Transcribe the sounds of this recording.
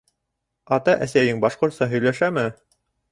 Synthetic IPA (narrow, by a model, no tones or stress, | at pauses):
ɑt̪ɑʔæsæjɘŋbɑʃqŏɾt̪sɑɦɵ̆jlæʃæmɘ